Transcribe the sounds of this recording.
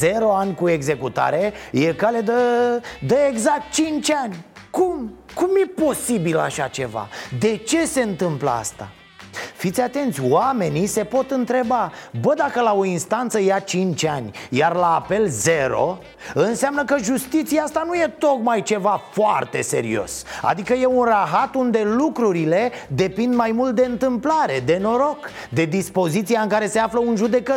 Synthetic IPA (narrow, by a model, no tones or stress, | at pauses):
zeɾo̞anʲkue̞ɡze̞kut̪a̰ɾe̞je̞kale̞d̪əd̪əeɡzak̚t̪̚t͡ʃint͡ʃʲanʲkumkumje̞po̞sibila̰ʃat͡ʃe̞̰va̰d̪e̞t͡ʃe̞se̞ɨnt̪ɨmplə̰a̰st̪a̰ | fit̪sʲat̪e̞nt̪sʲwame̞nise̞po̞t̪ɨnt̪ɾe̞babəd̪akəlao̞inst̪ant̪səjat͡ʃint͡ʃʲanʲjarlaːpe̞lze̞ɾo̞̰ | ɨnseamnəkəʒust̪it̪siaast̪anuje̞t̪o̞kmajt͡ʃe̞vafoa̰rt̪e̞̰se̞̰ɾḭo̞̰sa̰d̪ikəje̞unraɦat̪und̪e̞lukɾuɾile̞d̪e̞pind̪majmult̪̚d̪e̞ɨnt̪ɨmplaɾe̞d̪e̞no̞ɾo̞k | d̪e̞d̪ispo̞zit̪sijaɨŋkaɾe̞se̞afləunʒud̪e̞kət̪